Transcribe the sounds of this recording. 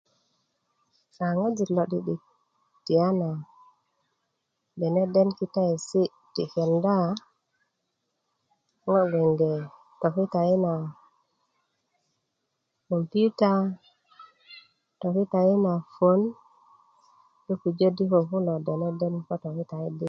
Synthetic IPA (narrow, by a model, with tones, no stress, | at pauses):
a˨ŋo˦d͡ʒi˨lo˨ɗi˦ɗi˨ | ti˨a˦na˨ | de˨ne˦de˦nki˦ta˦i˨si˦ | ti˨ke˨nda˦ | ŋo˦ɡe˨nde˨ | to˨ki˦ta˨i˦na˨ | ko˨mpu˦ta˦ | to˨ki˦ta˨ji˦na˨fo˦n | ɗu˦ku˨d͡ʒo˦di˦ko˨ku˦lo˨de˨ne˦de˦nko˦to˨ki˦ta˨i˦di˦